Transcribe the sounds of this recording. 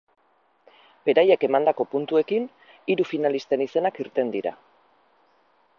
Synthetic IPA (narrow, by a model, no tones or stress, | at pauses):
be̞ɾaje̞ke̞mand̪ako̞punt̪ue̞kin | iɾufinalist̪e̞nise̞nakiɾt̪e̞nd̪iɾa̰